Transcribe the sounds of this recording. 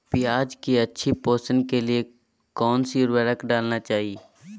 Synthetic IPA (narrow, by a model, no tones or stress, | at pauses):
pijaːd͡ʒkiɐtːʃʰipoːsənkelie | kɔːnsiɾʋeɾəkɖaːlnat͡ʃaːɦie